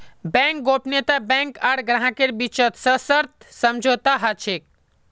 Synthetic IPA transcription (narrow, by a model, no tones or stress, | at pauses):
bɛ̃ŋk̚ɡoːpnet̪abɛ̃ŋkaɽɡɾãɦãkeɾbit͡ʃət̪səsəɾt̪̚ʰsɐmd͡ʒʱot̪aɦat͡ʃʰek̚